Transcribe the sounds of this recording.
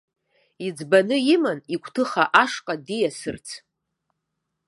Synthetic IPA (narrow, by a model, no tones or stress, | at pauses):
id͡zbanɨjimanikʷʰʼtʰɨχaʔaʂqʼadijasɨrt͡sʰ